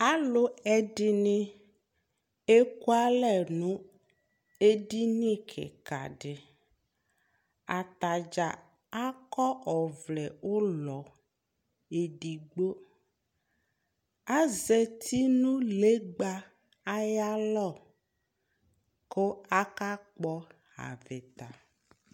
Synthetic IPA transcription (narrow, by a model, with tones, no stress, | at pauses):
a˦lʊ˦ɛ˦ɖɪ˦nɪ̃˦ | e˦ku˦a˦lɛ˨nũ˦ | e˦di˦nĩ˦kʰɪ̰˨ka̰˨ɖɪ˨ | a˨t̪a˨d͡ʒa˨ | a˦kɔ˦ʔɔ˨vlɛ˨ʊ˦lɔ˨ | e˨ɖi˨ɡ͡bo˦ | a˦ze˨t̪ʰi˦nũ˦le˦ɡ͡ba˦ | a˦ja˦lɔ˦˨ | ko˦a˦ka˦k͡pɔ˦ | a̰˨vɪ˨t̪a˨